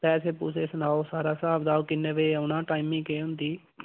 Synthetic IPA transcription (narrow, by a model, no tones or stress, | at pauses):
pɛːseːpuːseːsənaːoːsaːɾaːsaːbd̪aːoːkɪnːeːʋeːəʊnãːʈaːimɪ̃ːkeːʊnd̪iː